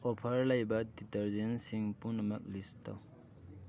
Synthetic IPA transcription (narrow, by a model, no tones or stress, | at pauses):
ɔpʰaɾlajbaditɐɾzensiŋpunɐmak̚listɔ̰